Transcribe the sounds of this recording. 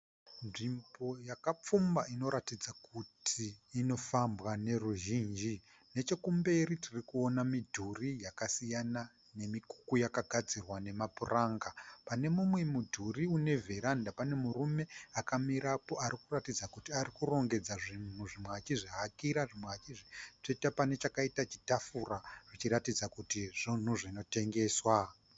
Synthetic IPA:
nʐimbo̞jakap͡fumbaino̞ɾatid͡zakutʰiːno̞fambwane̞ruʒiːnd͡ʒi | ne̞t͡ʃe̞kumbe̞ritirikuonamidʱurijakasijana | ne̞miku̥kujakaɡʱad͡zirwane̞mapuraːŋɡapane̞mumwe̞mudʱuriune̞vʱe̞ɾandapane̞murume̞akamiɾapo̞ʔaɾikuratid͡zakutiarikuro̞ŋɡe̞d͡zaʐin̤uʐimweat͡ʃiʐiɦakiɾaʐimweat͡ʃiʐit͡ʂetepane̞t͡ʃakaitat͡ʃitafuraʐ̥it͡ʃiɾatid͡zakutiʐ̥in̤uʐino̞te̞ŋɡe̞ːswa

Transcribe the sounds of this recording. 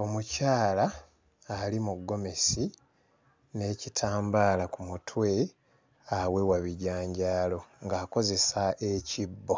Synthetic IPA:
o̞mucaːlaː | limuɡːo̞me̞si | ne̞ːcitʰaːmbaːlakumutʰwe̞ | awe̞waβiɟaːɲɟaːlo̞ŋɡaːko̞ze̞saecibːo̞

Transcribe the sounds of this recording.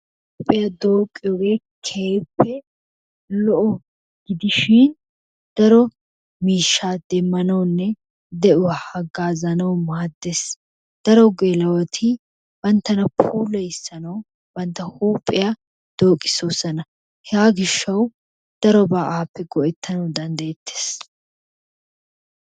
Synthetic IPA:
huːpʼːɪjɐd̪oːkʼːɪjɔɡeː | kʰeːpːɛ | lɔʔɔ | ɡ̥ɪd̪ɪʃɪn | d̪̥ɐɾɔ | miːʃːaːd̪̥ɛmːɐnɐwnːɛ | d̪ɛʔʊwɐhɐɡaːzɐnɐwmaːd̪ːes | d̪̥ɐɾɔɡeːlɐwɐt̪ʰɪ | bɐnt̪ːɐnɐpʰuːlɛjɪsːɐnɐw | bɐnt̪ːɐhuːpʼːɪja | d̪̥oːkʼɪ̥sosɐnɐ | hɛaːɡɪʃːɐw | d̪̥ɐɾɔbɐʔaːpːɛɡɔʔɛt̪ʰːɐnɐwd̪ɐnd̪ɐjɛt̪ːe̥ːs

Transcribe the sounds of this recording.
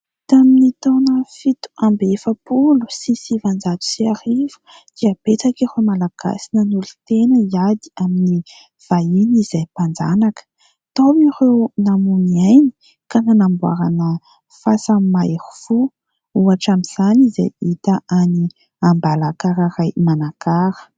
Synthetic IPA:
t̪aminit̪onəfit̪u̥ambefəpulu̥sisivand͡zat̪u̥siaɾivu̥ | d̪̥iəb̥et͡sakirewmalaɡ̥a̰sinənulut̪enəiad̪i̥amini | v̥ainizajpand͡zanakə̥ | t̪owirewnamunajni̥ | kananambua̰ɾanə | fasamaeɾu̥fu | uaʈ͡ʂamiz̥aniza̰jit̪aʔani | ambalakaɾaɾajmanakaɾə̥

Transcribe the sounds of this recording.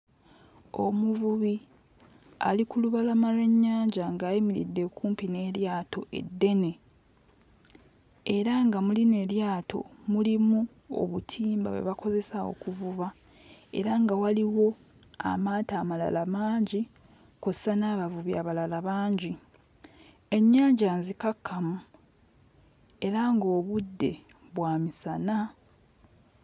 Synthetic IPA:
o̞muvuβi | a̰likuluβalamaɾwe̞ɲːaːɲɟaŋɡaːjimiɾḭdːe̞kuːmpine̞ːɾjaːto̞ʔe̞̰dːe̞ne̞ | eɾaŋɡamuline̞ljaːtʰo̞̰mulimu | o̞̰βutʰiːmba̰we̞̰βako̞ze̞sao̞̰kuvuβa | e̞̰ɾaŋɡawaliwo̞ | a̰maːtaːmala̰lamaːɲɟi | kozsanaːβavuβja̰ːβalalaβaːɲɟi | e̞ɲːaːɲɟanzikakʰːamu | e̞ɾaŋɡo̞ːβudːe̞̰ | βwaːmisana

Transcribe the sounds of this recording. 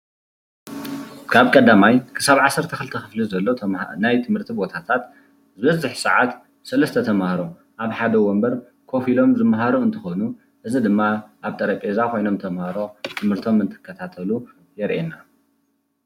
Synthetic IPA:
kʰaβkʼɐd̪amajkʰɨ̥saβʕasːɐɾt̪ʰɐxɨlɨt̪ʰɐxɨflizɐlːo̞najt̪ʰɨmhɨɾt̪ʰibo̞t̪ʰat̪ʰat̪ | zɨβɐzɨħsɨʕat̪ | sɐlɐst̪ʰɐt̪ʰɐmahɾo̞ | ʔaβħad̪ɐwombɐɾ | kʰo̞filo̞mzɨmɦaɾoɨnt̪ʰɨxonu | ʔɨzid̪ɨmːaʔaβt̪ʼɐɾɐpʼezakʰo̞jno̞mt̪ʰɐmhaɾo̞t̪ʰɨmhɨɾt̪ʰo̞mɨnt̪ʰɨ̥kʰːɐt̪ʰat̪ʰɐlu | jɛɾʔena

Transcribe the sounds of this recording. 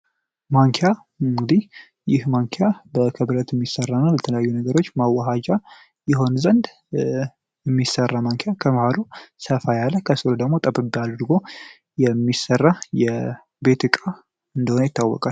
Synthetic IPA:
maŋkʰeja | ɨŋɡɨd̪ih | jɪhmaŋkʰejabəkʰɨβɾət̪ɛmːisərːanəwlət̪ʰələjajːunəɡəɾo̞t͡ʃːmawːaɦad͡ʒa | jɪɦo̞nzənd̪ | jɛmːisərːamaŋkʰejakʰəməhaɾusəfajalːəkʰəsɨɾud̪əɡmo̞t̪ʼəbɨbialːd̪ɾɨɡo̞ | jɛmːisərːajɛ | be̞t̪ɨkʼa | ɨnd̪əhonəjɪt̪ːawːɔ̰kʼal

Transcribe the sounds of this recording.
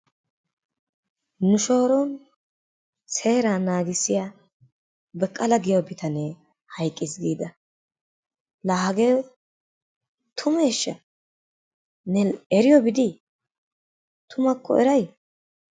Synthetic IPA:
nʊʃoːɾɔn | se̞ːɾaːnaːɡɪsːɪja | bɛkʼːɐlɐɡɪjobɪt̪ʰɐneː | hɐjkʼːɪsɡiːd̪ɐ | laːhɐɡeɔ | t̪ʰʊmeːʃːɐ̰ | nɛɛɾɪjɔbɪd̪ɪ | t̪ʰʊmɐkʰːɔ̰ɛɾɐj

